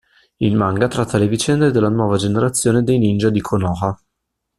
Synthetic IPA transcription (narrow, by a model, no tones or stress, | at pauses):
ilmaŋɡat̪ɾat̪ʰːalevit͡ʃɛnd̪ed̪elːanwɔːvad͡ʒeneɾat̪sːjoːned̪ejnind͡ʒad̪ikʰonɔːxa